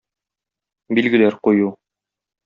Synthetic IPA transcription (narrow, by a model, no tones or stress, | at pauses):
bilɡɘ̆læɾquju